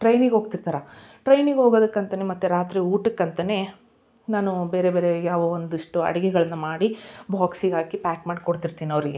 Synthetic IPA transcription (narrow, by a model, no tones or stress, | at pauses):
ʈɾɐjniɡɦo̞ːɡt̪iɾt̪aːɾa | ʈɾɐjniɡɦo̞ːɡoːd̪ɐkːɐnt̪ɐnemɐt̪ːuɾaːt̪ɾiuːʈɐkːɐnt̪ɐne̞ː | naːnube̞ːɾebe̞ːɾejaːʋɐond̪uiʂʈuɐ̰ɽɛɡɛɡɐɭɐnːɐmaːɽibʱaːksiɡaːkipaːkmaːɽikoɽt̪iɾt̪iːniɐʋɐɾiɡe̞